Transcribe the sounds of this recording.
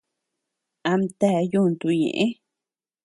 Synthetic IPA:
a˧mt̪a˦˧ju˦˧nd̪u˧ɲḛ̃˨ʔẽ˦

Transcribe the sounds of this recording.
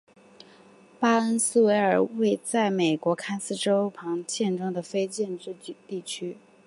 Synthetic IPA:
pa˥ə˥nsɹ̩˥we˧˥ɪə˞˨˩we˥˧ɪt͡sa˥˩ɪme˨˩ɪkwɔ˧˥kʰa˥ɪsɹ̩˥ʈ͡ʂo˥ʊpʰɑ˧˥ŋt͡ɕjɛ˥˧nʈ͡ʂɤ˥ŋd̪ə˨fe˥ɪt͡ɕjɛ˥˧nʈ͡ʂɻ̩˥˧˥t̪i˥˩t͡ɕʰy˥

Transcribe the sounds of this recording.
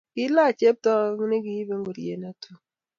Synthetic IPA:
ki˦la˦˨t͡ʃe˦p̚tɔ˦ŋ˦ne˦ki˨ji˦be˦ŋɡo˨ɾjḛ˨na˨tʰu˨

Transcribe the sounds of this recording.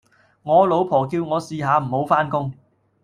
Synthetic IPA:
ŋɔː˨˧lo˨˧wpʰɔː˨˩kiː˧wŋɔː˨˧siː˧ɦaː˨˧m̩˨˩ho˨˧˥wfaː˥nkʊ˥ŋ

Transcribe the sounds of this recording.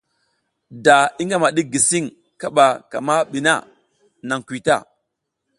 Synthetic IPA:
da˨i˦ŋɡa˦ma˨ɗi˦ɡi˨si˦ŋ | ka˦ɓa˨ka̰˨ma˦ɓi˨na̰˦˨ | na˨ŋkʷi˨ta̰˦˨

